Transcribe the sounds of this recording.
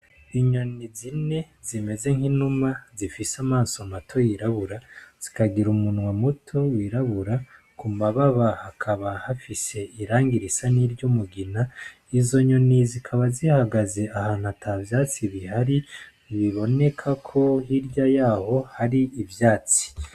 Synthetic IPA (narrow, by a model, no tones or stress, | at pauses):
iɲo̞nizine̞ | zime̞ze̞ŋ̥hinumazifisamaːsomatʰo̞jiɾaβuɾaz̥ikaɡiɾumunwamutʰo̞wiɾaβuɾa | kumaβaβahakʰaβahafise̞iɾaːŋɡiɾisaniɾɟomuɡina | izo̞ɲo̞nizikʰaβazihaɡaze̞ahaːn̥hatʰavjaːt͡siβihaɾi | βiβo̞ne̞kʰakʰo̞hiɾɟajaːho̞haɾiivjaːt͡si̥